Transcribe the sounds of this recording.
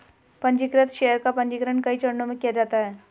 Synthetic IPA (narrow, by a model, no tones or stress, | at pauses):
pɐ̃nd͡ʒikɾət̪ʃeːjəɾkapɐ̃ɲd͡ʒikɾənkɐit͡ʃɐɽnõmẽkijad͡ʒaːt̪aɦɛː